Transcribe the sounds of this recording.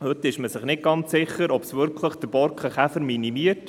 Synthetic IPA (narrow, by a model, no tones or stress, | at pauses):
hɵt̪ɪʃməsɪχnɪt̚ɡ̥ɑnt͡sːɪχːəɾɔb̥sʋʏɾkʰləχd̥̪əɾb̥ɔɾkχəχæfəɾminimiət